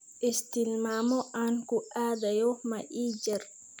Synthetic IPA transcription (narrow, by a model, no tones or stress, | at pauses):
ʔist̪ilmamɔʔankuʔaːd̪ajɔmaʔiːd͡ʒɛɾ